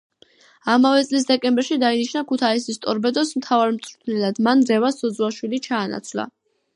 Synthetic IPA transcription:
amavɛt̪sʼlis̬d̪ɛkʼɛmbɛɾʃid̪ainiʃnakʰut̪ʰaisist̪ʼɔɾbɛd̪ɔsmt̪ʰavaɾmt̪sʼɾt̪ʰnɛlad̪manɾɛvasɔd̪zwaʃwilit͡ʃʰaːna̰t̪sʰvla̰

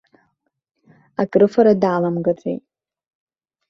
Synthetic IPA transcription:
akʼrɨfaɾadaːlamɡat͡sʼḛjtʼ

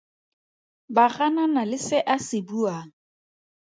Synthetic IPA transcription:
baɣananalɪsɪʔasɪbuaːŋ̩

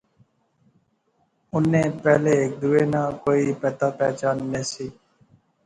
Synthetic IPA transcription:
ʊnːeːpɛːleeːk̚d̪uːeːnaːkoːiːpɛːt̪aːpɛːt͡ʃaːnːeːsiː

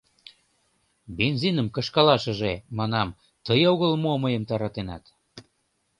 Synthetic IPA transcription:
benzinəmkɤ̆ʃkɑlɑʃə̆ʒemɑnɑm | t̪əjoɣəlmoməjəmt̪ɑɾɑt̪enɑ̰t̪

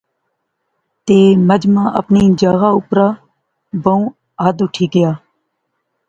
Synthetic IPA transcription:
t̪eːməd͡ʒmãːʔə̰pniːd͡ʒaːɣaːʊpɾãː | bəũː | aːd̪ʊʈʰiːɡɪjaː

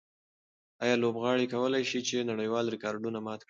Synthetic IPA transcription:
ɑjɑlobɣɑɽikawəlajʃit͡ʃenaɽəjwɑlɾɪkɑɾɖunamɑt̪k

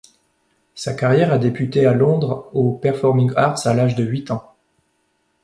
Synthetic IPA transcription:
sakaʁjɛʁad̪epyt̪ealɔ̃d̪ʁopɛʁfɔʁmĩŋaʁt̪salaʒd̪əɥit̪ɑ̃

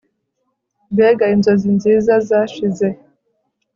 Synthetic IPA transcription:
mbeɡainzozinziːzazaʃize

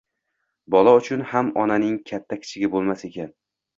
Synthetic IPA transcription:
bɒlˠaʊt͡ʃʰʊnhamɒnanɪŋkʲʰat̪ʰːakʲʰɪ̥t͡ʃʰɪɡʲabolˠmase̞kʲan

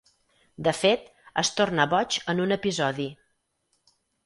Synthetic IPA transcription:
d̪əfet̪ | əst̪ornəβɔt͡ʃənunəpizɔði

